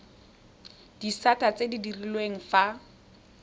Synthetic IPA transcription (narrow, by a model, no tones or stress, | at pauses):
d̥isatat͡sedidirilweŋ̩fa